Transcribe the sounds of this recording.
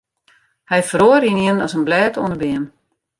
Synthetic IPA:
hɛjfəroəɾiniənɔsənblɛːtʰuənəbɪəm

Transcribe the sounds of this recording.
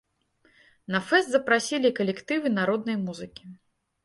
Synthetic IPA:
nɐfɛst̪zɐpɾasʲilʲikɐlʲɛkt̪ɨvɨnaɾɔd̪̚nɐjmuzɨkʲi̥

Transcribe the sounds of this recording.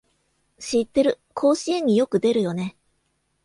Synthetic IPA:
ɕit̪ːe̞ɾɯ̟ | kʰo̞ːɕiẽ̞ɲ̟ːijo̞kɯ̟d̪e̞ɾɯ̟jo̞ne̞

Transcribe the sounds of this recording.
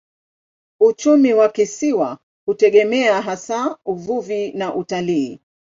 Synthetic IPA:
ut͡ʃumiwakisiwa | hutɛɠɛmɛaɦasauvuvinaʔutaliː

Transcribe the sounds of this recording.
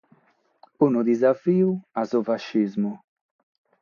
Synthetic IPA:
unud̪izafiːuazofaʃːizmu

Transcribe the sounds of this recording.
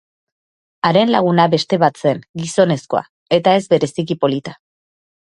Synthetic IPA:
aɾe̞nlaɣ̞unaβe̞st̪e̞βat̪se̞ŋɡiso̞ne̞sko̞a̰ | e̞t̪ae̞zbe̞ɾe̞sikipo̞lit̪ḁ

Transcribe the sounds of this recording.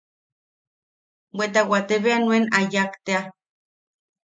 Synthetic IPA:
wʷet̪̬awat̪eβeanwenajakt̪ea

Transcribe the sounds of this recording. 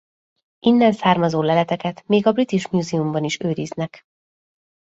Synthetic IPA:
ʔinːɛnsaːrmɒzoːlɛlɛt̪ɛkɛt̪meːɡɒbrit̪iʃmjuːzɛumbɒniʃøːɾiznɛk

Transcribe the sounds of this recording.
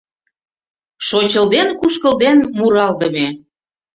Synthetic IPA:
ʃot͡ɕəld̪enkuʃkəld̪enmuɾɑld̪ə̆me

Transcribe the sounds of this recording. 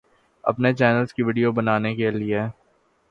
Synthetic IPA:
ɐ̰pnet͡ʃɛːnəlzskiʋɪːɖijobɐnaːnekelie

